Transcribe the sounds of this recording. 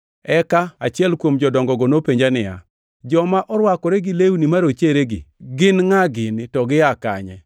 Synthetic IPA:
ɛkaat͡ʃɪɛlkwomd͡ʒɔdɔŋɡɔɡɔnopeɲd͡ʒanɪja̰ | d͡ʒɔmaʔɔɾwakɔɾɛɡɪleunimaɾot͡ʃeɾeɡɪ̰ɡɪnŋaɡɪntɔɡɪaka̰ɲɛ̰

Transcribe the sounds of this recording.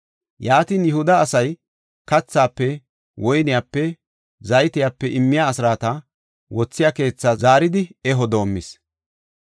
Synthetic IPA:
jaːt̪iːnjɛhʊd̪ɐːsɐj | kɐt͡sːaːpːɛ | wʔɔjnɪjaːpːɛ | zɐjt̪ɪjaːpːɛʔɪmːɪjaːsɪɾaːt̪ɐ | wɔt͡sːɪjake̞ːt͡sːɐzaːɾɪd̪ɪɛɦɔd̪o̞ːmːɪs

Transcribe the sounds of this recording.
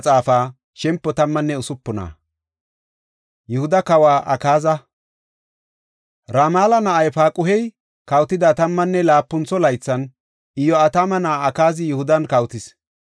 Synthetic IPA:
t͡sʼaːfaː | ʃɛmpːɔt̪ɐmːɐnːɛʊsʊpːʊna̰ː | jɛhʊd̪ɐkɐwaːʔɐkaːzɐ | ɾaːmaːlɐnɐʔɐjpaːkʼʊhɛj | kɐwt̪ːɪd̪ɐt̪ɐmːɐnːɛlaːpːʊnt͡sːɔlɐjt͡sːɐn | ɪjɔɐt̪amɐnɐɐkaːzɪjʊhʊd̪ɐnkɐwt̪ɪs

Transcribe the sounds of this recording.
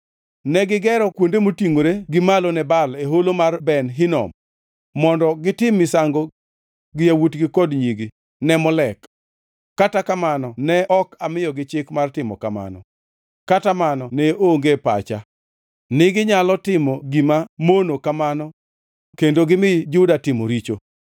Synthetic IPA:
nɛɡɪɡɛɾɔkwondemotiŋoɾeɡɪmalonɛbaleɦolomarbɛnɦɪnɔ̰mː | ɔndɔɡɪtɪmːɪsaŋɡo | ɡɪjawutɡɪkɔdɲiɡi | nɛmɔlɛkː | atakamanɔnɛɔkamɪjɔɡɪt͡ʃɪkmartɪmɔ̰kama̰nɔ̰ | katamanɔneoŋɡepa̰t͡ʃa | nɪɡɪɲalɔtɪmɔɡimamonokamanɔ | kendoɡɪmɪd͡ʒʊdatɪmo̰ɾit͡ʃo

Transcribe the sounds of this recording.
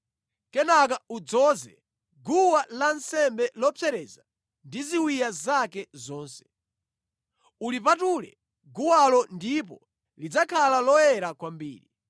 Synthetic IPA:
kɛnakaud͡zɔːzɛ̰ | ɡuwalansɛmbɛlɔpʰɛɾɛza | ndiziwijazakɛzɔːnsɛ̥ | ulipatulɛ̰ | ɡuwalɔndipɔ | lid͡zakʰalalɔjɛɾakwambḭːɾi

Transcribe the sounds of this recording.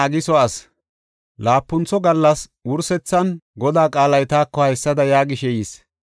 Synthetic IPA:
ɐɡɪsɔɐs | laːpːʊnt͡sɔɡɐlːɐswʊɾsɛt͡sːɐnɡɔd̪aːkʼaːlɐjt̪aːkːɔhɐjsːɐd̪ɐjaːɡɪʃɛjiːs

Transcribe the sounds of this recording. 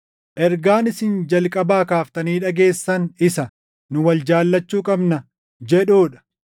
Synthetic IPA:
ʔɛɾɡaːnɪsɪnd͡ʒɐlkʼɐbaːkaːft̪ɐniːᶑɐɡe̞ːsːɐnɪsɐ | nʊwɐld͡ʒaːlːɐt͡ʃːuːkʼɐbnɐ | d͡ʒɛᶑoːᶑɐ̥

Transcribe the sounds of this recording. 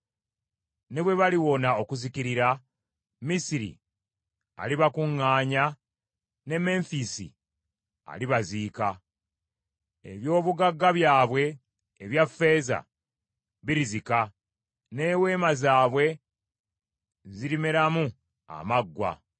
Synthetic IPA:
neβwe̞βaliwo̞nao̞kuzikiɾiɾa | misiɾḭ | a̰liβakuŋːaːɲa | ne̞me̞ɱfisḭ | a̰liβaziːka | ḛβjo̞ːβuɡaɡːaβjaːβwe̞ː | βjafːe̞ːza̰ | βiɾizika | ne̞ːwe̞ːmazaːβwe̞ | ziɾimeɾamu | a̰maɡːwa̰

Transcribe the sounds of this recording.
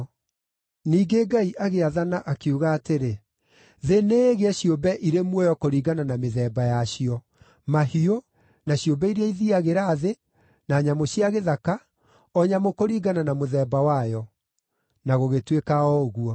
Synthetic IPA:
niːɡeɡaiʔaɣeaðanaʔakeuɣaːteɾe | ðeneːɣeɛɕijobɛʔiɾemwɔjɔkoɾiːɡananameðɛːbajaɕiɔ | mahio | naɕiobɛiɾeaiðiaɣeɾaːðe | naɲamoɕiaɣeðaka | ɔɲamokoɾiːɡananamoðɛːbawajɔ | naɣoɣetwekaɔoɣuɔ

